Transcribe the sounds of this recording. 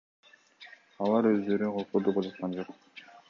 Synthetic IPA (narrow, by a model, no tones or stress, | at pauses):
ɑlˠɑɾø̞zd̪ø̞ɾyqʰolˠq̪od̪upɑd͡ʒɑt̪qɑnd͡ʒo̞q